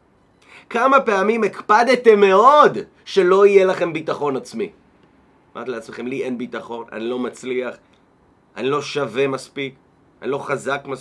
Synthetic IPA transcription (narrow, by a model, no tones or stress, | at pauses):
kamape̞amimekpadetemːe̞od | ʃe̞lo̞ije̞laχe̞mbitaχo̞nat͡smi | ma̰ʁt̪ileat͡smeχe̞mliʔe̞nbitaχo̞na̰nilo̞mat͡sliaχ | ʔanilo̞ʃave̞maspik | anilo̞χazakmas